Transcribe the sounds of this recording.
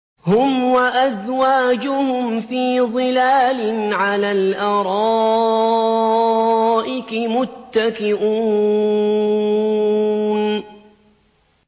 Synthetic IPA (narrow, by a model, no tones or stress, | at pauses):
hʊmwaʔazwaːd͡ʒʊhʊmfiːðˤɨlaːlɪnʕalaːlʔɑɾˤɑː | ʔɪkɪmʊt̪ːakɪʔuː | n